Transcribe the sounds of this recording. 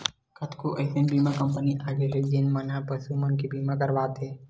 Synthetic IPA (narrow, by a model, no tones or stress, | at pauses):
kʰət̪kuʔəɪsenbiːmakəmpəniʔaːɡeɦed͡ʒenmənãpəsumənkibiːmakəɾʋaːt̪ʰɦeː